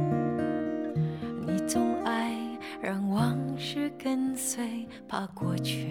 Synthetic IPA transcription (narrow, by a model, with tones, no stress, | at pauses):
ni˨˧˩t͡sʊ˥ŋa˥ɪ | ɻɑ˧˥ŋwɑ˧˥ŋʂɻ̩˥kə˥nswe˧˩ɪ | pʰa˧kwɔ˥˩t͡ɕʰy˥˩